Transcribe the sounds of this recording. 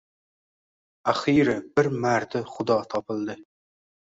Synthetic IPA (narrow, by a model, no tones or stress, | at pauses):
æχiɾɪbɪɾmæɾt̪ʰɪχʊd̪ɑt̪ʰɑpʰɨlˠd̪ɨ